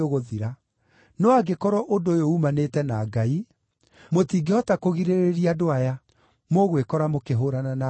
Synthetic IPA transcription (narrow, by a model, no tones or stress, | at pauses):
oɣoðiɾa | nɔaɡekɔɾɔʔondojoumanetɛnaɡai | motiːɡeɔtakoɣiɾeɾeɾiadoaja | moɣwekɔɾamokeɦoɾanana